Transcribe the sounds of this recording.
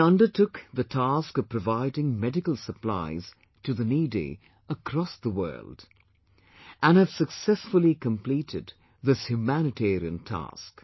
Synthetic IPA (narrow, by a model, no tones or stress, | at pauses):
ʌ̃ndə˞tʰʊkðətʰaskʌv̥pʰɹəvaɪdɪ̃ŋmɛdɨkəl̩ˠsəpla̰ɪz̥ | tʰɨðənidḭ | əkʰɾ̥ɔsðəwɜ̰˞lˠd | ʔə̃nɨv̥sɨksɛsfʊlˠikə̃mpl̥iɾɪd̪̚ | ðɪshjʉmænɨtʰɛɹiɨ̃ntʰæ̰sk